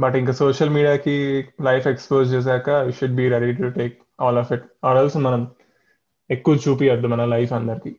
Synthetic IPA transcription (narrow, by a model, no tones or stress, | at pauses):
bɐʈiŋkɐsoːʃɐlmiːɖijaːkilɐjfekspoːzt͡ʃeːs̬ɛːkɐiʃuɖ̚biːɾeɽiʈuʈeːk | ɔːlɔːfiʈaːɾɐlsumɐnɐm | ekːuʋɐt͡ʃuːpijɐd̪ːumɐnɐlɐjfɐnd̪ɐɾiki